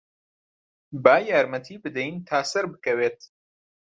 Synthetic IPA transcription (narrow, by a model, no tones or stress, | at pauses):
baːjaːɾmɐt̪ʰiːbɨd̪ɛjnt̪ʰaːsɐɾbɨkɐweːt̪